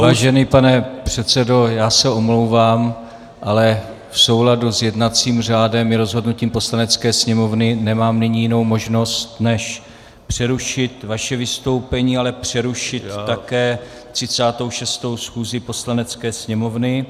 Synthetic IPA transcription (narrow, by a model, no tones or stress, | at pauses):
vaːʒɛnipanɛpr̥ɛt̪t͡sɛdo̞jaːsɛomlo̞wvaːm | ʔalɛ | fso̞wladuzjɛdnat͡siːmr̝aːdɛmjɛɾo̞zɦodnuciːmpo̞slanɛt͡skɛːsɲɛmo̞vnɪnɛmaːmnɪɲijɪno̞wmo̞ʒno̞st̪nɛʃ | pr̥ɛɾuʃɪt̪vaʃɛvɪst̪owpɛɲiːalɛpr̝̥ɛɾuʃɪt̪ːakɛː | t̪r̥ɪt͡saːt̪owʃɛst̪o̞wsxuːzɪpo̞slanɛt͡skɛːsɲɛmo̞vnɪ